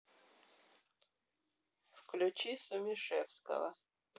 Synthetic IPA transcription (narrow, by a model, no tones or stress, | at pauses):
fklʲʊt͡ɕisʊmʲɪʂɛfskə̰və̰